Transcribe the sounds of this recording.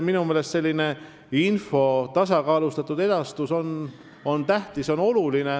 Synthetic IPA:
minumeːlest̪se̞lʲːine̞ | info̞t̪ɑsɑkɑːlust̪ɑt̪ːˑud̪e̞d̪̥ɑst̪uso̞n | o̞nt̪æht̪iso̞no̞luline̞

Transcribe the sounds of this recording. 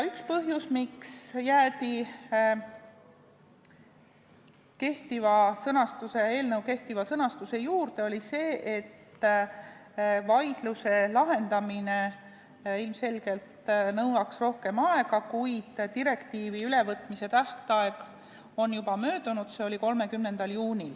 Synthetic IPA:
ykspɤɦjusmiksjæːd̪i | ke̞ht̪ivɑsɤnɑst̪use̞e̞ːlnɤwke̞ht̪ivɑsɤnɑst̪use̞juːrd̪e̞o̞lʲise̞ːʔet̪ː | vɑjd̪̥luse̞lɑɦe̞nd̪ɑmine | ilmse̞lɡ̥e̞lt̪nɤwlɑksro̞hke̞mɑe̞ɡ̥ɑkujd̪̥t̪iɾe̞kt̪iːviyle̞vɤt̪ːˑmise̞t̪æht̪ɑe̞ɡ̥ | o̞njubɑmø̞ːd̪̥unud̪̥se̞o̞lʲiko̞lme̞kymne̞nd̪̥ɑljuːnʲil

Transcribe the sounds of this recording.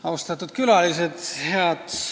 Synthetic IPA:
ɑwst̪ɑt̪ːˑut̪̚kylɑlised̪he̞ɑd̪̥

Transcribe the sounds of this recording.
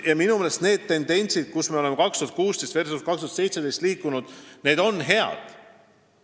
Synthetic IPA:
jɑminumeːlest̪ne̞ːd̪t̪ːe̞nd̪e̞nʲsid̪̥̚kusmeo̞le̞me̞kɑkst̪uɑt̪̚kuːst̪est̪ve̞rsust̪kɑkst̪uɑt̪se̞jt̪sed̪ejst̪liːkːˑunud̪̥ne̞ːd̪o̞nːɦe̞ɑ̰d̪̥

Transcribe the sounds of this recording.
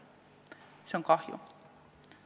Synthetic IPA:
soŋkɑhjṵ

